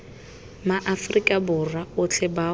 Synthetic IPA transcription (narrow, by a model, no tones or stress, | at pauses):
maʔafrikʼabʊraʊt͡ɬʰɛba